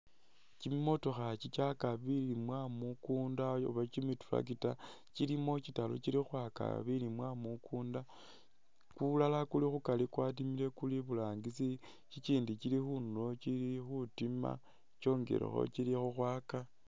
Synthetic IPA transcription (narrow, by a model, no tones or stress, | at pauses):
t͡ʃimimo̞to̞xat͡ʃit͡ʃakaβilimwamukuːndao̰βat͡ʃimituɾa̰k̬ita | t͡ʃilimo̞t͡ʃitalo̰t͡ʃilixwaka̰βilimwamukʰuːnda | kulalakulixukalikwat̬imile̞kuliβulaːŋɡisi | t͡ʃit͡ʃiːndit͡ʃilixunulo̞t͡ʃilixutima̰ | t͡ʃo̞ːŋɡe̞̰ɾḛxo̰t͡ʃilixuxwaːka